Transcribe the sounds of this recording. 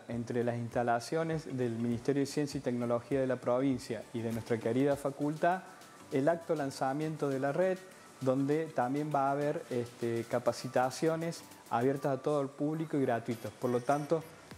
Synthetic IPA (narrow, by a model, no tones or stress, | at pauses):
ent̪ɾelasinst̪alasjo̞nezðelmĩnist̪eɾjoð̞esjensjait̪eknolo̞xiaðe̞lapɾoβinsjaiðe̞nwest̪ɾakeɾiðafakult̪a | elak̚t̪olansamjẽ̞nt̪oðelareð | d̪o̞nd̪et̪ambje̞mbaːβeɾest̪ekapasit̪asjo̞ne̞s | a̰βjeɾt̪asat̪o̞ðolpuβlikoiɣɾat̪wit̪opoɾlot̪ant̪o